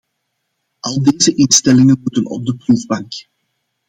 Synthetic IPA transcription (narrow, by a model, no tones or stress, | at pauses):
ʔɑlˠdeːzəʔɪnstɛlɪŋənmutənɔ̰b̚dəpruvbɑŋk